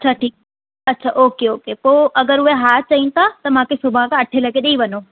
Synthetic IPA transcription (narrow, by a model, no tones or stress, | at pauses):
ɐʃʰaʈʰiːk̚ | ɐtːɕʰaːʔoːkeoːkepoːʔɐɡəɾʊɦeɦaːɾt͡ɕɐĩnt̪ʰat̪ɐmãːkʰesʊbʱakãɐʈʰelɐɡeɗeĩʋɐnoː